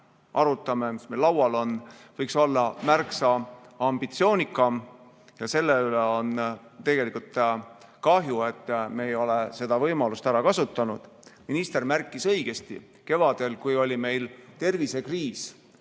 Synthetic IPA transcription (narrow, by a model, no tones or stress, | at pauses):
ʔɑɾut̪ːˑɑme̞mismelːɑwɑlo̞nvɤjkso̞lːɑmærksɑɑmb̥it̪sio̞ːnikːˑɑ | jɑse̞lːeyleo̞n | t̪e̞ɡ̥e̞likult̪ | kɑɦjue̞t̪ːme̞ːjo̞lese̞d̪ɑvɤjmɑlust̪æɾɑkɑsut̪ːˑɑnud̪̥ | minist̪e̞rmærkːˑisɤjɡ̥e̞st̪ḭ | ke̞vɑd̪̥e̞lkujo̞lʲime̞jlt̪e̞rvise̞kriːs